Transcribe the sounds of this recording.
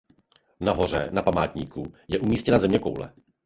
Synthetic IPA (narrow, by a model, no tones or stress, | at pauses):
naɦo̞r̝ɛnapamaːt̪ɲiːkṵjɛʔumiːscɛnazɛmɲɛko̰wlɛ̰